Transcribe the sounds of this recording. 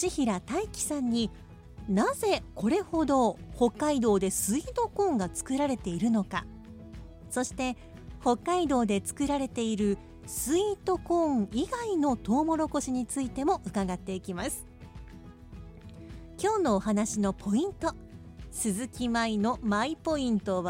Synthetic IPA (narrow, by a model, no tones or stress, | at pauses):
t͡ɕiçiɾat̪aikʲi̥sãɲ̟ːi | naze̞ko̞ɾe̞ho̞d̪o̞ho̞kːaid̪o̞ːd̪e̞sɨiːt̪o̞kõ̞ːŋɡat͡sɨ̥kɯ̟ɾaɾe̞t̪e̞iɾɯ̟no̞ka | so̞ɕi̥t̪e̞ | ho̞kːaid̪o̞ːd̪e̞t͡sɨ̥kɯ̟ɾaɾe̞t̪e̞iɾɯ̟ | sɨit̪o̞kõ̞ŋiɡaino̞t̪o̞ːmo̞ɾo̞ko̞ɕiɲ̟it͡sɨit̪e̞mo̞ʔɯ̟kaɡat̪ːe̞ikʲimasɨ̥ | kʲo̞ːno̞ːɦanaɕino̞pʰo̞ĩnt̪o̞ | sɨzɨkʲimaino̞maipo̞ĩnt̪o̞βa